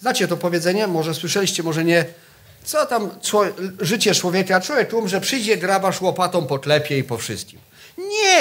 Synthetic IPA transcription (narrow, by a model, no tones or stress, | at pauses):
znat͡ɕɛt̪ɔpɔvʲjɛd̪zɛɲɛmɔʐɛswɘʂɛlʲiɕt͡ɕɛmɔʐɛɲɛ | t̪sɔt̪amt͡ʂɔʐɘt͡ɕɛt͡ʂwɔvʲjɛkaat͡ʂwɔvʲjɛk̚t̪umʐɛpʂɘjd͡ʑɛɡɾavaʂwɔpat̪ɔ̃w̃pɔt̪lɛpʲjɛipɔfʂɨ̰st̪̚kʲim | ɲɛ